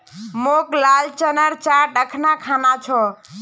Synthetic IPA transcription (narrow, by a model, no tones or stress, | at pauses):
moklalt͡ʃənəɾt͡ʃaɾɖəkʰnakʰanat͡ʃʰɔ